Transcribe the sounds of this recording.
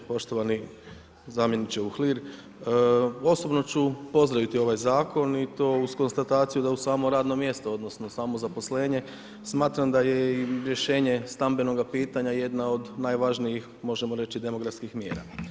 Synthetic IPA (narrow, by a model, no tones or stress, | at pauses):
po̞ʃt̪oʋani | zamje̞nit͡ʃeuxliɾ | o̞so̞bno̞t͡ɕupo̞zd̪ɾaʋit̪io̞ʋajzaːko̞nit̪oːuzko̞nst̪at̪aːt̪sijud̪ausaːmoɾaːd̪no̞mje̞st̪oo̞d̪no̞snosaːmo̞zapo̞sle̞ːɲe̞ | smaːt̪ɾamd̪aje̞iɾje̞ʃe̞ːɲe̞st̪ambe̞no̞ɡapiːt̪aɲaje̞d̪nao̞d̪najʋaʒnijix | mo̞ʒemoɾe̞t͡ɕid̪e̞mo̞ɡɾafskixmjeːɾa̰